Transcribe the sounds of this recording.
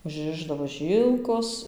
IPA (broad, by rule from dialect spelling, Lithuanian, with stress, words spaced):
ʊʒʲˈrʲɪʒdɐʋoː ˈʒʲiːlˠkoːs